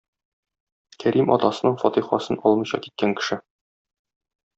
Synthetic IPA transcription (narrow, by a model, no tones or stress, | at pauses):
kʰæɾimʔɒ̰t̪ɑsɤ̆nɤɴfɒt̪iχɑ̰sɤnʔɒlˠmɤ̆jɕɑ̰ki̥t̪̚kæŋkɘ̥̆ʃɘ